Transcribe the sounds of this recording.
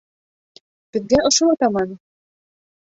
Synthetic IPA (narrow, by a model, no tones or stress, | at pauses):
b̥ɘ̆ðɡæʔŏʃoɑt̪ɑmɑn